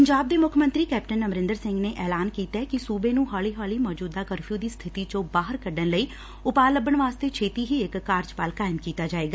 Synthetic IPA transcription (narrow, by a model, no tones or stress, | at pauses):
pəɲd͡ʒaːb̚d̪eːmʊkʰmənt̪ɾiːkɛːp̚ʈənəmɾɪ̃nd̪əɾsɪŋɡneːʔɛːlaːnkiːt̪aːkɪsuːbeːnũːɦaːliːɦaːliːmɔːd͡ʒuːd̪aːkəɾpʰijuːd̪iːst̪ʰɪt̪iːt͡ʃõːbaːɦəɾkəɖənləiː | ʊpaːləbəɳʋaːst̪eːt͡ʃʰeːt̪iːɦiːɪkːaːɾd͡ʒpaːlkaːɪmkiːt̪aːd͡ʒaːeːɡaː